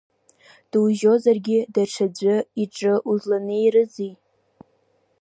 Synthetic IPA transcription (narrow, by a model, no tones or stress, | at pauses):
d̥wʒo̞zarɡʲɪdaʈ͡ʂʰad͡zʷɨiʈ͡ʂʼɨʔuzlanɨjrɨzi